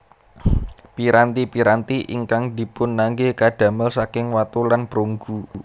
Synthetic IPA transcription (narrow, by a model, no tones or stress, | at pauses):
piɾant̪ipiɾant̪iʔiŋkaŋd̪̥i̤pʊnːaŋɡekaɖ̥ä̤məlsakɪŋwat̪ulanpɾoŋɡu